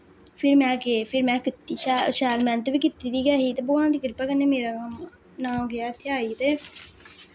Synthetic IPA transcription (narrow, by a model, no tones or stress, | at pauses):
pʰɪɾmɛ̃ːkeːpʰɪɾmɛ̃ːkɪt̪ːiːʃʃɛːlmɛ̃ːnt̪əʋiːkɪt̪ːiːd̪iːɡɛːɦiːt̪eːboãːnd̪iːɡɪɾpaːkənːeːmeːɾaː | nãːmɡɪaːt̪ʰːɪaːiːt̪eː